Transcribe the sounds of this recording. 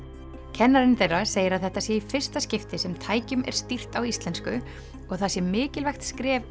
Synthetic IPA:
cʰɛnːaɾɪnθejrːaseːjɪɾaðθɛht̪asjɛifɪr̥st̪ascɪft̪ɪsɛmt̪ʰaːjcʏmɛ̰ɾ̥st̪ir̥t̪awist̪lɛnskʏ | ɔɣθasjɛmɪːcɪlvɛjxt̪skɾɛːv

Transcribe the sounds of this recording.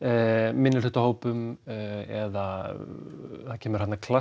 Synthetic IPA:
mɪnːɪlʏt̪ahoːwpʏm | ɛða | θaðcʰɛːmʏɾ̥hat̪naɾkʰla

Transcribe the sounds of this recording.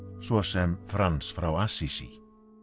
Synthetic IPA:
sɔsɛmfɾansfɾawasisi

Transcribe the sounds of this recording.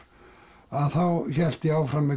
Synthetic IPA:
aðθawçɛl̥t̪ɪaːwfɾamːɛ

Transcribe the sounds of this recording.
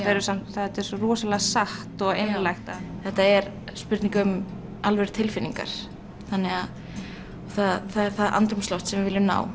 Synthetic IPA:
aɛɾʏsamθat̪ɛɾ̥sɔrɔːsalaɣasaht̪ɔɣejnlajxt̪aθɛht̪ːaɛɾ | spʏɾt̪niŋkʏm | alvɛɾ̥t̪ʰɪlfɪnːiŋka̰ɾ̥ | θanːɛɣa | ɔθaðθaɛɾ̥θaðʔa̰nt̪ɾʏmslɔwht̪sɛmvɪvɪlːɪmna̰ːw

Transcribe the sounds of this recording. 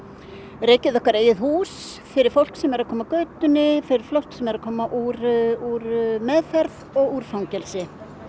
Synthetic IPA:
reːjcɪðɔhkaɾeːjɪðhuːsfɪɾɪɾ̥fowl̥ksɛmɛɾaðkʰɔːmakœɥt̪ʏnɪfɪɾɪɾ̥flowht̪sɛmɛɾaðkʰɔːmaʔuːɾuɾmɛðfɛɾðɔɣuːɾ̥fawŋcɛlsɪ

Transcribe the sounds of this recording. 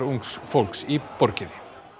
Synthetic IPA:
ɾuŋksfowl̥ksipɔɾcɪnɪ

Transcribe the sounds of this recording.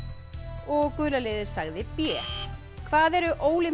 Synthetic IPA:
ɔɣkʏːlaleːðɪɾ̥saɣðɪpjɛː | kʰvaːðɛɾʏʔoːwlɪ

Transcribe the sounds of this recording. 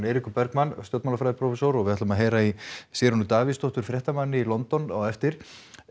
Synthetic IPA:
nejɾikʏpɛɾkmanst̪jɔwt̪manafɾajðɾpʰɾɔfɛsɔwɾɔɣvɪaht̪ʏmaðɦeːjɾaisjɛːɾʏnʏt̪aːvɪst̪ɔht̪ʏɾ̥fɾjɛht̪amanːɪilɔnt̪ɔnɔɣɛft̪ɪɾ̥

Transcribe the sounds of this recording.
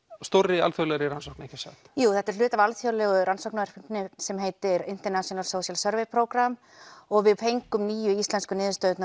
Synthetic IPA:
st̪owrːɪa̰lfjowlɛɾɪɾansowknehcasa̰t̪juːθɛht̪ɛɾ̥l̥ʏːt̪avalfjowlɛːɣʏɾansowknavɛɾ̥pɪpnɪsɛmɦeːjt̪ɪɾɪn̥t̪ɛɾnasjɔnalsowsjalsœɾvejpʰɾowkɾam | ɔɣvɪðpʰejŋkʏmniːjʏist̪lɛnskʏnɪːðʏst̪œɥt̪n

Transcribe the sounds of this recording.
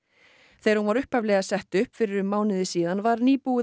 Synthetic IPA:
θejɾhunvaɾʏhphavlɛɣasɛht̪ʏhpfɪɾɪɾʏmaːwnɪðɪsiːðanvaɾniːpuɪ

